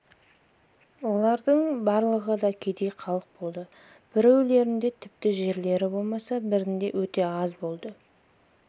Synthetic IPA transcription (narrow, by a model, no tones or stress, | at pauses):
wo̞lˠɑɾd̪əɴbɑɾlˠəʁəd̪ɑkʲʰejd̪e̞jqʰɑlˠəq̚bo̞lˠd̪ə | b̥ɪɾewle̞ɾɪnd̪e̞t̪ʰɪp̚t̪ɪʒe̞ɾle̞ɾɪbo̞lˠmɑsɑbɪɾɪnd̪e̞̰wɵt̪e̞ɑzbo̞lˠd̪ə